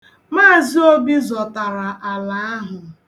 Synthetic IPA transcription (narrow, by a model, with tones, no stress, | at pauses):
maː˦˨zi˦o˦bi˦zɔ˨ta˨ɾa˨ʔa˨la˨a˦ɦʊ˨